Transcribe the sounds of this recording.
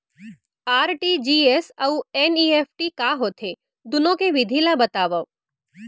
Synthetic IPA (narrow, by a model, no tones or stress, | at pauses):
aːɾʈid͡ʒiːesɐueniːepʰʈikaɦot̪ʰe | d̪ʊnõkeʋɪd̪ʱilabət̪aːʋəʋ